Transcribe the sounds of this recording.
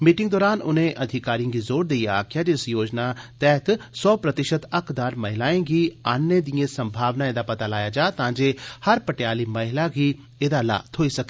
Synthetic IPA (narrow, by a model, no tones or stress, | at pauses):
miːʈɪ̃ŋɡ̚d̪ɔːɾaːnʊnẽːʔəd̪ʱɪkaːɾijə̃ɡiːzoːɾd̪eia̰ːkʰjaːd͡ʒɪsjoːd͡ʒnat̪ɛɦət̪sɔːpɾət̪ɪʃət̪ɐkʰd̪aːɾməɦɪlaːẽːɡiːaːnːeːd̪ijẽːsə̃mbʱaːʋnaːeːd̪aːpɐt̪aːlaːjaːd͡ʒaːt̪ãːd͡ʒeːhəɾpəʈjaːliːməɦɪlaːɡiː | eːd̪aːla̰ːt̪ʰoːisɐke